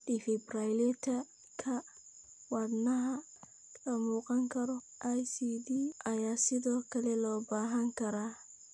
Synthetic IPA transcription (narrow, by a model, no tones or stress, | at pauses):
difɛbrajlɛt̪ʰɐ | kʰɐ | wɑdnɐɦɐ | kʰɐmuːqɑŋkʰɐɾɔ | ʔajsiːdiʔɐjaːsɪðɔːkʰɐlɛlɔːbaːɦɐŋkʰɐɾaː